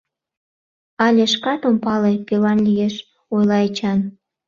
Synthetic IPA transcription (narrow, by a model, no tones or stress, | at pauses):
ɑlʲeʃ̬kɑt̪ompɑlepelɑnlʲijeʃ | ojlɑet͡ɕɑn